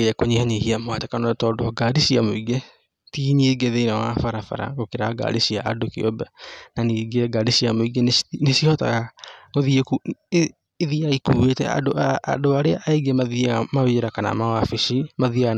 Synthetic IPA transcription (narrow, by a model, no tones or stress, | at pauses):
eɛkoɲihaɲehiamoatɛkanɔtɔːdoaɡaːɾiʃiamoiɡe | tiːɲieɡeðeinawafaɾafa̰ɾa̰ɡokeɾaɡa̰ɾiʃia̰ʔadokḛɔ̰bɛnaniːɡeɡaːɾiʃiamoiɡennesiɔta̰ɣaŋoðiekuː | ðiaikuetɛ̰a̰do̰ːdoaɾea̰ʔaeɡemaðiamaweɾakana̰mawafiʃimaðia